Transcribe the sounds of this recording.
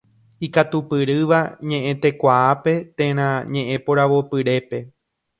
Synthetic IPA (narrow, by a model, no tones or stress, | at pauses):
ikat̪upɨɾɨʋaɲẽʔẽ̞t̪e̞kʷaape̞t̪ẽ̞ɾ̃ãɲẽʔẽ̞poɾaʋo̞pɨɾe̞pe̞